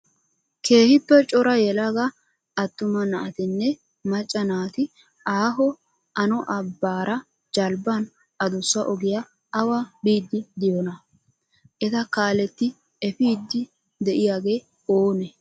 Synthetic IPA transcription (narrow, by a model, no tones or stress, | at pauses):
kʰe̞ːhɪpːɛt͡ʃʼɔɾɐjɛlɐɡa | ɐt̪ːʊmɐnɐʔɐt̪ɪnːɛ | mɐt͡ʃʼːɐnaːt̪ɪ | ʔaːɦɔ | ʔɐnɔʔɐbːaːɾʔɐ | d͡ʒɐlbɐn | ɐd̪ʊsːɐʔɔɡɪjɐ | ɐwabiːd̪ːɪd̪ɪjɔnɐ | ʔɛt̪ɐkaːlɛt̪ːɪ | ɛfiːd̪ːɪ | d̪ɛʔɪjaːɡe̞ː | oːnɛ